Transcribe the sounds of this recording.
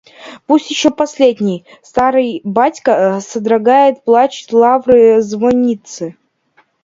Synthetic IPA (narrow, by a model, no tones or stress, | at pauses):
pusʲt̪ʲjɪɕːopɐsʲlʲedʲnʲɪj | st̪aɾɨjbatʲkəsəd̪ɾɐɡajɪt̪plˠat͡ɕɪ̥tʲlˠavɾɨzvonʲit̪sɨ